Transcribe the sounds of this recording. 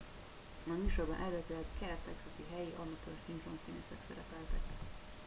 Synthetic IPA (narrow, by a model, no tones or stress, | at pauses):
nɒmyːʃobɒ̰nʔɛløːt̪ylɛɡkɛrt̪ɛksɒsiɦɛjiʔɒmɒt̪øːrsint̪romsiːnḛːʃɛksɛɾɛpɛlt̪ɛk